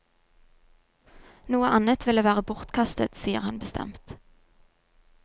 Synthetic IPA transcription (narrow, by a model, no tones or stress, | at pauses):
nuːəʔɑnət̪ʋɪleːʋæːʁəbʊʁt̪kʰɑst̪ə̰t̪siːə̰ʁhɑnbəst̪ʰɛ̰mt̪